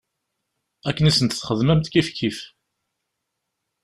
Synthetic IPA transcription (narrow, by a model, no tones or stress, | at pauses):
ækːənisənt̪θχəðmæmt̪kifkːif